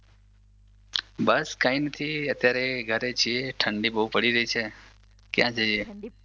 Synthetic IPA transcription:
bəskãinət̪ʰiət̪jaɾeɡʱəɾet͡ʃʰieʈʰəɳɖibəɦupəɽiɾəɦit͡ʃʰe | kjã̰t͡ʃʰed͡ʒe

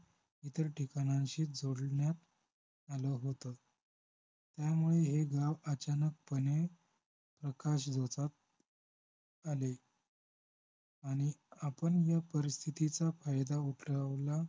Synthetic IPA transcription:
it̪əɾʈikañãɕiːd͡zoɽɳjat̪̚ | aləɦot̪ə | t̪jamuɭeɦeɡaʋət͡ɕanək̚pəne | pɾəkaɕd͡zʱot͡sat̪̚ | ale | aɽ̃iapəɳjapəɾist̪ʰit̪it͡safajd̪auʈʰləʋla

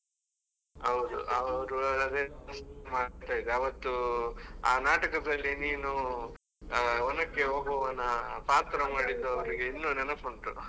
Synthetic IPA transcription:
ɐʋd̪ṵʔɐʋɐɾuɐd̪ɐd̪esmaːt̪aːjid̪eaːʋɐt̪ːu | aːnaːʈɐkɐd̪ɐlːiniːnu | ɔnɐkːeɦoːɡʱoːʋɐnɐpaːt̪ɾɐmaːɽid̪ːuɐʋɐɾiɡeinːuːnɛnɐkoɳʈɾu

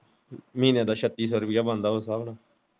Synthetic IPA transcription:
mĩːnjãːd̪aːʃət̪ːiːs̬ɔːɾʊpɪjaːbãːnd̪aːɦoːsaːbnaː

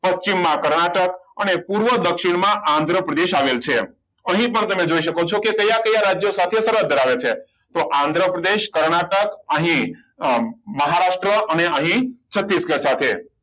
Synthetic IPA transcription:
pəst͡ʃimːãkəɾɳaʈəkənepuɾʋəd̪əkʃiɽmãʔãnd̪ʱɾəpɾəd̪eʃaʋelt͡ʃʰe | əɦĩpəɳt̪əmed͡ʒoiʃəkot͡ʃʰokekəjakəjaɾad͡ʒjosat̪ʰesəɾət̪d̪ʱəɾaʋet͡ʃʰe | t̪oʔãnd̪ʱɾəpɾəd̪eʃkəɾɳaʈəkəɦĩ | məɦaɾaʂʈɾəʔəneəɦĩt͡ʃʰət̪ːisɡəɾsat̪ʰe

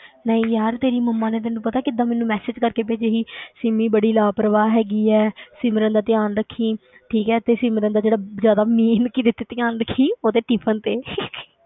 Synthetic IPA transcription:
nəĩːjaːɾt̪eːɾiːməmːãːneːt̪ɛːnũːpət̪aːkɪd̪aːmɛːnũːmɛːsɪːd͡ʒkəɾkeːpeːd͡ʒeɦiːsɪmĩːbəɽiːlaːpɾəʋaːɦɛːɡiːɛːsɪmɾə̃nd̪aːt̪ɪjaːnɾəkʰːiː | ʈʰiːkɛːt̪eːsɪmɾə̃nd̪aːd͡ʒeːɽaːzjaːd̪aːmiːnkiːd̪ɪt̪ːeːt̪ɪjaːnɾəkʰːiːoːt̪eːʈiːpʰənt̪eː

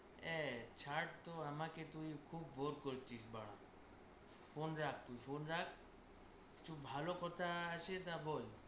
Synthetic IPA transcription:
ɛt͡ʃʰaʈ̚t̪oamaket̪ujkʰubːoɾkoɾt͡ʃʰisbaɽ̃a̰ | fʰonɾak̚ʰt̪ujpʰonɾak̚ʰ | ki̥t͡ʃʰubʱalokɔt̪ʰaasʰet̪abʱɔj

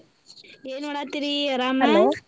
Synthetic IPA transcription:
eːnʋɐɽat̪ɪɾiɾaːm

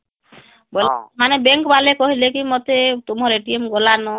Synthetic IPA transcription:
bolmanebeŋkbalekɔɦilekimot̪et̪umɔɾeʈiemɡɔlanɔ

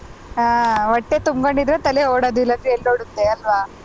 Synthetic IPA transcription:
aːʋɐʈːet̪umɡoɳɖid̪ɾet̪ɐleɦoːɽod̪uilːɐd̪ieɭɖoːɽut̪ːeɐlʋaː

